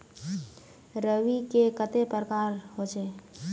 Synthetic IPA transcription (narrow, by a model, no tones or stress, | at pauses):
ɾəʋikekət̪epɾəkaɾɦot͡ʃe